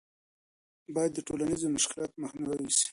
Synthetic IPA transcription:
bɑjad̪ːəʈolanizomʊʃkɪlɑt̪maxnawawisi̥

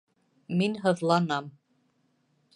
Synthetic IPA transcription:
minɦɤ̆ðlˠɑnɑm

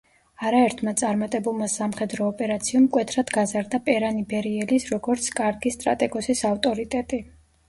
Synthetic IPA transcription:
aɾaɛɾt̪ʰmat̪sʼaɾmat̪ʼɛbulˠmasamχɛd̪ɾɔːpʼɛɾat̪sʰiɔmkʼwɛt̪ʰɾad̪ɡazaɾd̪apʼɛɾanibɛɾiɛlisɾɔɡɔɾt̪sʰkʼaɾɡist̪ʼɾa̰t̪ʼɛɡɔsisaft̪ʼɔɾit̪ʼɛt̪ʼi

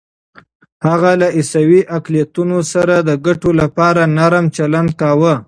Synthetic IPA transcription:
haɣalaʔisawiʔaklijat̪unosaɾad̪əɡaʈolapɑɾanaɾmt͡ʃaland̪̚kawə

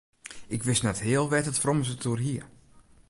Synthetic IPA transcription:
ɪkʋɪsnɛthɪəlˠʋɛtətfroməs̬ətuəɦiə

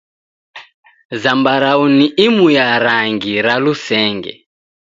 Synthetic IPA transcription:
zambaɾauniʔimujaɾaŋɡiɾalusɛːŋɡɛ̰

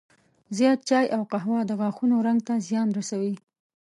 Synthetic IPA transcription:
zjɑt̪̚t͡ʃɑjʔawqaɦwɑd̪əɣɑxunoɾaŋɡ̚t̪azjɑnɾasawi

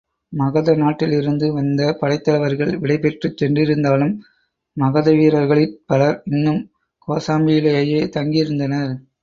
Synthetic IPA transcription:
mɐɣɐðɐnaːʈːɪlɪɾɯnd̪ɯʋɐnd̪ɐpɐɽɐɪt̪ːɐlɐʋɐɾɣɐɭʋɪɽɐɪpɛʈrɯt͡ʃːɛndrɪɾɯnd̪aːlɯmː | ɐɣɐðɐʋiːɾɐɾɣɐɭɪnpɐlɐɾɪnːɯm | koːsaːmbɪjɪlɐjɐjeːt̪ɐŋɡijɪɾɯnd̪ɐnɐɾ

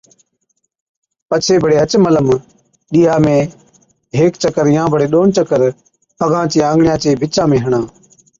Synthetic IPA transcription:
pət͡ʃʰeːbʱəɽeːət͡ʃmələm | ɗiːɦaːmẽː | ɦeːkt͡ʃəkəɾjãːbʱəɽeːɗoːɳt͡ʃəkəɾ | əɡʱãːt͡ʃiːãːŋɡɳɪjãːt͡ʃeːbʱɪt͡ʃãːmẽːɦəɳãː

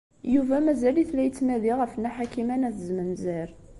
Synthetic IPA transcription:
juvæmæzæliθlæjət͡sːmæðiʁəfnæħakimænæθəzmənzæɾ

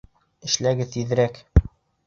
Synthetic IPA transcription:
ɘ̆ʃlæɡɘðiðɘ̆ɾæk

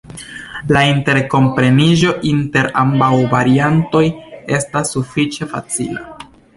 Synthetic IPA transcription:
lainte̞ɾko̞mpɾe̞niʒo̞ʔinte̞ɾambawvaɾianto̞je̞stasːufit͡ʃe̞fa̰t͡sḭla̰

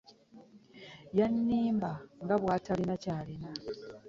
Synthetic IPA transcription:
janːiːmbaŋɡaβwaːtʰalinacaːlina

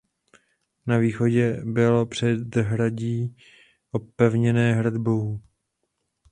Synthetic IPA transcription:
naviːxo̞ɟɛbɪlo̞pr̝̥ɛd̪ɦɾaɟiː | ʔopɛvɲɛnɛːɦɾd̪bow

